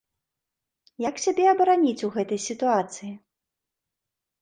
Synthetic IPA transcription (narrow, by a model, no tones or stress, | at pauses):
jaksʲabʲɛɐbɐɾanʲit͡sʲuɣɛt̪ɐjsʲit̪uat̪sɨji